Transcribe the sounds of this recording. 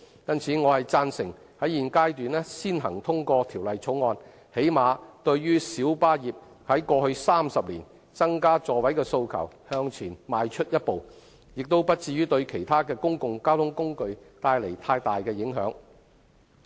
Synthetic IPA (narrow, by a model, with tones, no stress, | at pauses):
jɐ˥nt͡sʰiː˨˥ŋɔː˨˧hɐ˨jt͡saː˧nsɪ˨˩ŋ | hɐ˨˥jiː˨nkaː˥jt̪yː˨nlɛ˥siː˥nɦɐ˨˩ŋt̪ʰʊ˥ŋkɔː˧t̪ʰiː˨˩wlɐ˨jt͡sʰo˨˥wŋɔː˧n | he˨˥jmaː˨˧t̪ɵ˧ɥːyː˥siː˨˥wpaː˥jiː˨p̚ | hɐ˨˥jkɔː˧hɵ˧ɥsaː˥msɐ˨p̚liː˨˩n | t͡sɐ˥ŋkaː˥t͡sɔː˧wɐ˨˥jkɛː˧so˧wkʰɐ̰˨˩whœː˧ŋt͡sʰiː˨˩nmaː˨˧jt͡ʃʰɵ˥t̚jɐ˥t̚po˨w | jɪ˨k̚t̪o˥wpɐ˥t̚t͡siː˧ɥyː˥t̪ɵ˧ɥkʰe˨˩jt̪ʰaː˥kɛː˧kʊ˥ŋkʊ˧ŋkaː˥wt̪ʰʊ˨˥ŋkʊ˥ŋkɵ˧ɥt̪aː˧jle˨˩jt̪ʰaː˧jt̪aː˨jkɛː˧jɪ˨˥ŋɦœ̰ː˨˥ŋ